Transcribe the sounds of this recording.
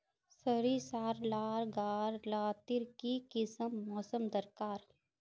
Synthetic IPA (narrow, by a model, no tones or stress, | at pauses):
səɾisaːɾlaːɾɡaːɾlaːt̪ɪɾkikɪsəmːɔːsəmd̪əɾkaːɾ